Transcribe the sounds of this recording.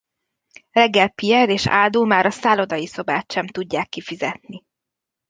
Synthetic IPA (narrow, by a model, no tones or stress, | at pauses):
rɛɡːɛlpijɛɾeːʃa̰ːld̪uːmaːɾɒsaːlod̪ɒjiso̞baːt̪ʃɛmt̪uɟːaːkːifizɛt̪̚ni